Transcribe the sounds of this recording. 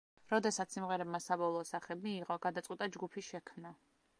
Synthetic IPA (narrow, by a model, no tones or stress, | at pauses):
ɾɔd̪ɛsat̪ssimʁɛɾɛbmasabɔlˠɔːsaχɛmiːʁɔɡ̥ad̪at̪sʼwit̪ʼad͡ʒɡupʰiʃɛkʰmna